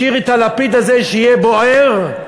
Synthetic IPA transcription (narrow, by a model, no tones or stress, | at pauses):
iʁet̪alapid̪azeʃeijeboeʁ